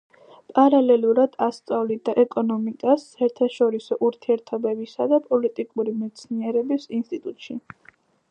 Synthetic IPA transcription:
pʼaɾalɛluɾad̪̥ast̪sʼavlid̪aʔɛkʼɔnɔmikʼasːaɛɾt̪ʰaʃɔɾisɔʔuɾt̪ʰiɛɾt̪ʰɔbɛbisad̪apʼɔlit̪ʼikʼuɾimɛt̪sʰniɛɾɛbisinst̪ʼit̪ʼut̪ʼʃi

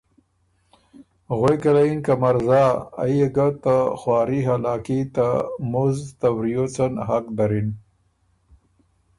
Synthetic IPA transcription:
ɣwejkalainkamaɾzaːa̰jeɡat̪axwɑːɾiɦalaːkit̪amuzt̪awɾijot͡sənɦakd̪ɐɾin

